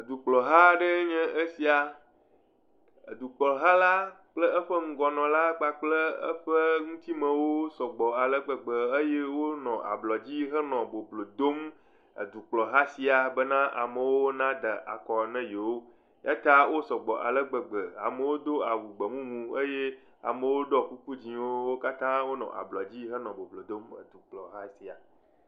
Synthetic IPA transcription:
ə˨d̪u˨k͡plɔ˨ɦa˦ɖɛ˦ɲɛ̃˦ʔe˦si˨a˨ | ə˨d̪u˨k͡pɔ˨lɦa˦la˦ | k͡plə˦ə˦ɸə˦ŋũ˨ɡɔ˨nɔ̃˨la˦k͡pa˦k͡ple˦ə̰˦ɸə˦ŋũ˦t̪i˦mɛ̃˨wo˦sɔ˨ɡ͡bɔ˨a˨lɛ˦ɡ͡bə˨ɡ͡bə˨e˦je˦wo˦nɔ̃˨ʔa̰˨blɔ˨d͡ʑi˦ɦɛ˦nɔ̃˨bo˨blo˨d̪o˦m | ḛ˨d̪u˨k͡plɔ˨ɦa˦si˨a˨bə˦nã˦ʔa˨mə˨wo˦o˦nã˦d̪ə˨ʔa̰˨kɔ˨nɛ̃˦je˨wo˦ | ja˦t̪a˦wʔo˦sɔ˨ɡ͡bɔ˨ʔa̰˨lə˦ɡ͡bə˨ɡ͡bə˨a̰˨mə˨wo˦d̪o˦a˨wu˨ɡ͡bə˨mũ˦mũ˨e˦je˦ | a̰˨mə˨wo˦ɖɔ˦ku˦ku˦d͡ʑĩ˨wo˦wo˦ka˦t̪ã˦wo˦nɔ̰̃˨ʔa̰˨blɔ˨d͡ʑi˦ɦə˦nɔ̃˨bo˨blo˨d̪o˦mə̰˨d̪u˨k͡plɔ˨ɦa˦si˨a˨

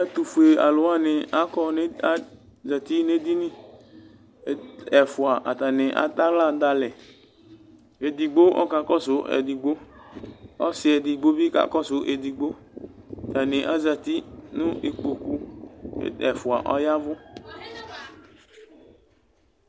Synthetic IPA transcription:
a˦tu˨fu˨e˨a˨lʊ˨˦a˦˨nɪ˨a˦kɔ˦n˦a˦ | za˨ti˦ne˦di˦nɪ̃˦˨ | ɛ˨fʊ˨a˨ʔa˨ta˨nɪ̃˨ʔa̰˨ta˦la˦˨da˨lɛ˨ | e˨di˨ɡ͡bo˦ʔɔ̰˦ka˨kɔ˦sʊ˦ʔɛ̰˨di˨ɡ͡bo˦ | ɔ̰˦sɪ˨ɛ˨dɪ˨ɡ͡bo˦bi˦ka̰˨kɔ˦sʊ˦ʔe˨di˨ɡ͡bo˦˨ | ta˨nɪ˨ʔa˦za˨ti˦nʊ̃˦ʔe˨k͡po˨kṵ˦ | ɛ˨fʊ˨a˨ʔɔ˦ja˦vʊ˦

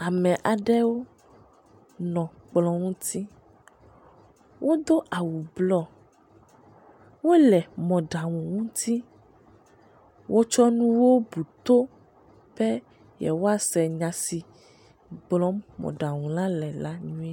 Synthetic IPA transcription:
a˨mɛ̃˨ʔa˨ɖɛ˦wo˦ | nɔ̃˨k͡plɔ̃˨ŋũ˦t̪ʰi˦ | wʔo˦d̪o˦ʔa˨wu˨blɔ˦ | wo˦lɛ˨mɔ̃˨ɖa˨ŋũ˨ŋũ˦t̪ʰi˦ | wʔo˦t͡ʃɔ˦nũ˦wo˦bu˨t̪o˦ | ɸɛ˦ | jɛ̰˨wo˦a˨sɛ˨ɲã˨si˨ | ɡ͡blɔ˦mɔ̰̃˨ɖa˨ŋũ˨lã˦lɛ˨la˦ɲũ˦e˦

